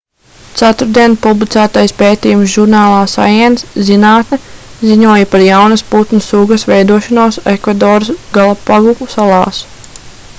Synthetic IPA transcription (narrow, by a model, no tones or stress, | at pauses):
t̪sat̪uɾd̪iɛnpublˠit̪sæːt̪ajspeːt̪ijumsʒuɾnaːlˠaːsa̰jɛnszinaːt̪nɛziɲuɔjɐpaɾjawnɐsput̪nusuːɡɐsvɛjd̪uɔʃɔnoɔsekvad̪ɔːɾsɡalˠapaɡukusalˠɑ̰ːs